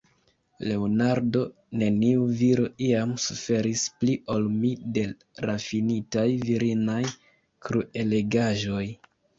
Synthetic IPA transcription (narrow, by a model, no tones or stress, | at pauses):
le̞onaɾdo̞ | ne̞niuviɾo̞iamsufe̞ɾispliʔo̞lmide̞ | ɾafinitajviɾinaj | kɾue̞le̞ɡaʒo̞j